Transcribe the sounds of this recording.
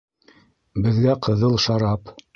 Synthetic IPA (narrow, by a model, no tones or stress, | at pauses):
bɘ̆ðɡæqʰɤ̆ðɤlˠʃɑɾɑp